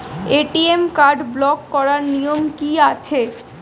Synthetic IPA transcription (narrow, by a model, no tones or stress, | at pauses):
eʈiemkaɾɖblɔkːɔɾaɾnijomkiat͡ɕʰe